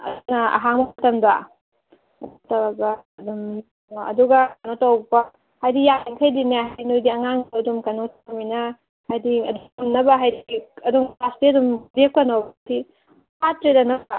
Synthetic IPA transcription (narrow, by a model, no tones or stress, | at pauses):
ɐ̰nɐɐ̰ɦaŋbɐtɐmdɐ | ɐtɐbabaɐdum | ɐ̰duɡɐkanotawpa | hajdijaniŋkʰɐjdineɦajnojdiɐŋaŋɐdumkanotʰaminɐ | hajdiɐdɐmnɐbɐɦajdiɐduŋastiɐdumɾek̚pɐnowbtʰi | hatɾedɐnɐba